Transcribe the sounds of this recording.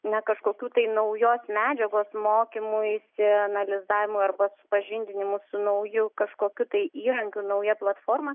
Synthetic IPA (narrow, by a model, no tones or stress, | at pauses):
nʲɛkɐʃkoːkʲuːt̪ɐɪnɐʊjoːsmʲæːd͡ʒʲɛɡoːsmoːkʲɪmʊjɪsʲɪɐnɐlʲɪzɑːʋʲɪmʊɐrbɐsʊ̥pɐʒʲɪnʲd̪ʲɪnʲɪmʊsʊnɐʊjʊkɐʃkoːkʲut̪ɐɪʔiːɾɐŋʲkʲunɐʊjɛplˠɐt̪foːrmɐ